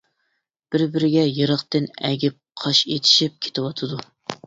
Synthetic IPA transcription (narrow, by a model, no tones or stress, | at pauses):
b̥ɪɾbɪɾɪɡʲɛjɨɾəχt̪ɨnɛɡʲɪp̚qʰɑʃet̪ʰɪ̥ʃip̚kʲʰe̥t̪ʰɪwɑt̪ʰɨd̪u